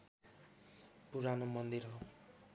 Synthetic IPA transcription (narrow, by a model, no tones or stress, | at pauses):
puɾanomʌnd̪irɦo